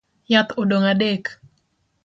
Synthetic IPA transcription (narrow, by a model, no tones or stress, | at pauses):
jat̪odoŋadek